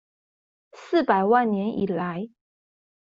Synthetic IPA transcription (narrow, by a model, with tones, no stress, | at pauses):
sɹ̩˥˨pa˨˩ɪwa˥˩˨nnjɛ˧˦ni˨˩la˨˧˦ɪ